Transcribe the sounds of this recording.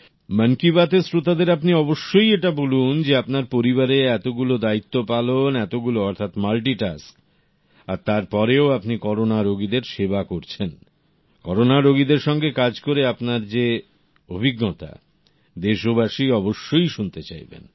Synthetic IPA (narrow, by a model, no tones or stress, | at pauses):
mənkibat̪esɾot̪ad̪eɾapniɔboʃːojeʈabolund͡ʑeapnaɾpoɾiβaɾeɛt̪oɡulod̪ait̪ːopalonɛt̪oɡuloɔɾt̪ʰat̪malʈ̬iʈa̰sk | aɾt̪aɾpɔɾeoapnikɔɾonaɾoɡid̪eɾʃebakoɾt͡ɕʰen | kɔɾonaɾoɡid̪eɾʃɔŋɡekad͡ʑkoɾeapnaɾd͡ʑe | obʱiɡːɔt̪a̰ | d̪eʃobaʃiɔboʃːojʃunt̪et͡ɕa̰jbḛn